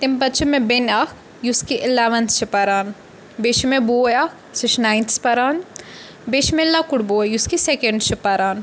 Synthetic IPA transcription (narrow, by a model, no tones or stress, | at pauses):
t̪impɐt̪t͡ʃʰumẽbenɐkʰ | juskiʔɪleʋɐnst͡ʃʰipɐɾaːn | beʃmẽbuːjak | suʃnaːjnt̪ʰspɐɾaːn | beʃmelɐkuɽbujuskisekeɳɖt͡ʃʰipɐɾaːn